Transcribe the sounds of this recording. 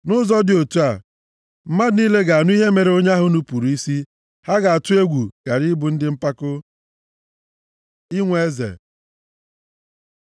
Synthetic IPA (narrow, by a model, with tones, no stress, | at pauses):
nʊ˦zɔ˦dɪ˨o˨tu˦a˨ | m̩˦ma˦dni˦le˦ɡa˨a˨nʊ˦i˦ɦe˦me˨ɾe˨o˦ɲ˦a˦ɦʊ˨nu˦pu˨ɾu˨i˦si˦ | ha˦ɡa˨a˨tʊ˦e˦ɡʷu˨ka˨ɾɪ˦bʊ˨n̩˦dɪ˦m̩˦pa˦kʊ˦ | ɪ˦ŋʷe˦zḛ˨